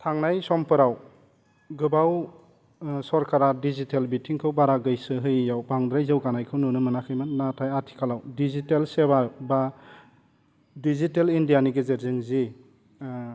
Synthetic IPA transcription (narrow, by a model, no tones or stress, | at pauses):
tʰaŋnajsɔmpʰɯɾaw | ɡɯbaw | sɔɾkʰaɾadizitelbitʰiŋkʰɯwbaɾaɡɯjsɯɦɯjjawbaŋdɾajzɯwɡanajkʰɯwnunɯmɯnakʰɯjmɯnnatʰajatʰi̥kʰalawdizitelsebaba | dizitelindijaniɡezeɾzɯŋzi